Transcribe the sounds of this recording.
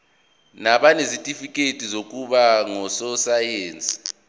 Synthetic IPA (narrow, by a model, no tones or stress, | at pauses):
naɓanesitʼifikʼetʼizok̬ʼuɓaŋɔsɔsajeːnt͡sʼi̥